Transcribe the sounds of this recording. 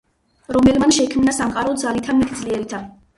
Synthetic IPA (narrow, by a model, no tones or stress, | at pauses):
ɾɔmɛlmanʃɛkʰmnasamqʼaɾɔd̪zalit̪ʰamɛt̪ʰd̪zliɛɾit̪ʰa